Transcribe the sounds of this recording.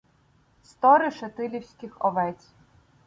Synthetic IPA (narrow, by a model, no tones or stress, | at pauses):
st̪ɔɾɪʃet̪ɪlʲiwsʲkʲɪxɔʋɛt͡sʲ